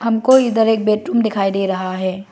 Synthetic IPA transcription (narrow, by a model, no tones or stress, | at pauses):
ɦɐmkoɪd̪əɾeːk̚beːʈɾuːmd̪ɪkʰaːid̪eːɾɐɦaɦɛː